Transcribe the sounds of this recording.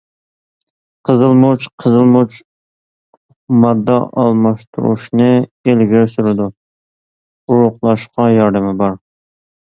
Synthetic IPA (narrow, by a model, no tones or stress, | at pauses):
qʰəzɨlˠmut͡ʃqʰəzɨlˠmut͡ʃ | mɑd̪ːɑʔɑlˠmɑʃt̪ʰṵɾṵʃnɨelɡʲiɾɪsyɾɪd̪u | uɾʊqlˠɑʃqɑjɑɾd̪ɪmɪbɑɾ